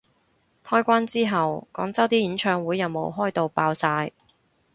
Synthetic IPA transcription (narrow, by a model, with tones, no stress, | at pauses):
t̪ʰɔː˥jkʷaː˥nt͡siː˥ɦɐ˨wkɔː˨˥ŋt͡sɐ˥wt̪iː˥jiː˨˥nt͡ʃʰœː˧ŋwuː˨˥jːɐ˨wmo˨˧wɦɔː˥jt̪o˨˧wpaː˧wsaː˧j